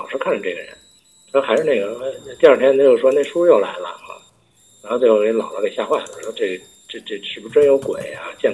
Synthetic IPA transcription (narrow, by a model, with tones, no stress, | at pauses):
ɑ˨˩ʊʂɻ̩˥˧kʰa˥˩nʈ͡ʂə˩ʈ͡ʂe˥˩ɡə̰˩ɻə̰˧˥nʰ˥˩ | a˧˥ʂɻ̩˥˧ne˥˩ɡə˩e˥ɪ˥˧t̪i˥˧ɐ˞˥˧˩t̪ʰjɛ˥nt̪o˧˥jo˥˩ʊʂwɔ˥ne˥˩ɪʂu˥jo˥˩ʊla̰˧˥ɪlə̰˧a̰˥˩ | ɻa˧˥xo˥˧t̪wxo˥˩˧lɑ̰˨˩ʊlə˦ke˨˩ɕja˥˧xwa˥˩jo˥˧˩ʂʈ͡ʂe˥˩ɡə˩ | ʈ͡ʂe˥˧ʈ͡ʂe˥˩ʂʰɻ̩˧˥bu˧ʈ͡ʂə˥jo˧˥ʊkwḛ˨˩˦ɪa̰˧t͡ɕjɛ˥˩n